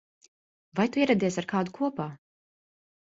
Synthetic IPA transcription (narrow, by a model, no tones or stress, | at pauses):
vajt̪uiɛɾɛd̪iɛsaɾkaːd̪ukʰuɔpaː